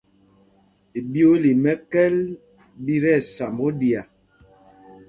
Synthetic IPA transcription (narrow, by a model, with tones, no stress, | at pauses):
e˨bi˦o˦li˨mɛ˦kɛ˦l | bi˦ɾɛ˦˨sa˨mo˦di˨a˨